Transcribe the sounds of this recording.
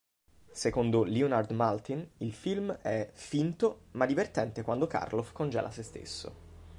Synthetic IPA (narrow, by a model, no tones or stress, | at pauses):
sekond̪olionard̪malt̪inilfilmɛfint̪omad̪ːivert̪ɛnt̪ekwand̪oka̰rlofkond͡ʒɛ̰lʔasest̪ḛsːo̰